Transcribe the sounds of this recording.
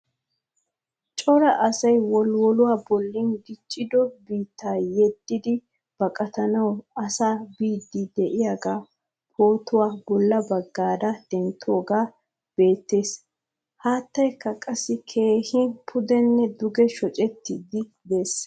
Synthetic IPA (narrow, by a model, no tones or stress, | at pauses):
t͡ʃʼɔɾɐʔɐsɐjwɔlwɔlʊwaːbɔlːɪnɡɪt͡ʃʼːɪd̪ɔbiːt̪ːaːjɛd̪ːɪd̪ɪ | b̥ɐkʼɐt̪ɐnɐwɐsaːbiːd̪ːɪd̪ɛʔɪjaɡaː | pʰo̞ːt̪ʊwaːbɔlːɐbɐɡːaːd̪ɐd̪̥ɛnt̪ːʊoːɡaː | b̥e̞ːt̪ːe̞ːs | haːt̪ːɐjkːɐkʼɐsːɪkʰe̞ːhɪpʰʊd̪ɛnːɛd̪ʊɡɛʃɔt͡ʃʼɛt̪ːɪd̪ɪ | d̪e̞ːs